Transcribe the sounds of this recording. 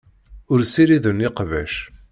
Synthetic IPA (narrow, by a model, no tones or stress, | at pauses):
ʊɾsiɾiðəniqvæʃ